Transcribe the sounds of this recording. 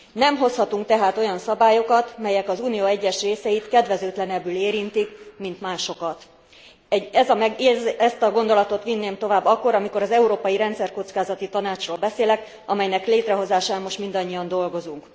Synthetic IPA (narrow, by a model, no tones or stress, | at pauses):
nɛmɦo̞shɒt̪uŋk̚t̪ɛɦaːt̪o̞jɒnsɒbaːjo̞kɒt̪mɛjɛkɒzuːnijoːɛɟːɛʃreːsɛjit̪kɛd̪vɛzøːt̪lɛnɛbːyleːɾint̪ikmint̪maːʃo̞kɒt̪ | ɛɛzɒmɛɡezɛst̪ɒɡo̞nd̪o̞lɒt̪o̞t̪ʋinːeːmt̪o̞vaːbːɒkːo̞ɾɒmiko̞ɾɒzɛuɾoːpɒjiɾɛnt̪sɛrko̞t̪skaːzɒt̪it̪ɒnaːt͡ʃroːlbɛseːlɛk | ɒmɛjnɛkleːt̪rɛɦo̞zaːʃaːmmo̞ʃt̪mind̪ɒɲːijɒnd̪o̞lɡo̞zuŋk